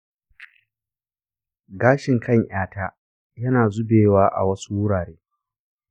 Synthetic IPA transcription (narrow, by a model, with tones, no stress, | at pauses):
ɡaː˦ʃɪ˨ŋkʰɐ˦˨ɲʔj̰aː˦taː˦ | jɐ˦naː˨zʊ˦beː˨waː˦ʔa̰˨wɐ˦su˦wʊ˦ɽaː˨ɽeː˦